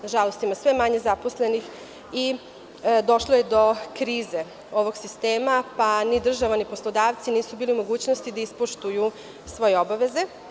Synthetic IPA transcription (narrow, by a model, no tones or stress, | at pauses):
ʒalo̞st̪imasʋe̞maɲe̞zaposle̞nix | i | d̪o̞ʃlˠoje̞d̪o̞kɾiːze̞ | o̞ʋo̞ɡsist̪eːmapanid̪r̩ʒaʋanipo̞slˠod̪aːʋt̪siniːsubiːliumo̞ɡuːt͡ɕnost̪id̪aispoʃt̪uju | sʋo̞jeobaʋe̞ze̞